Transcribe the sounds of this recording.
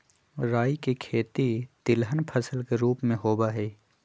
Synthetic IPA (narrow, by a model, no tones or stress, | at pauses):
ɾaːikikʰeːt̪it̪ɪlɦənpʰəsəlkeɾuːpmẽɦoːbaːɦɛː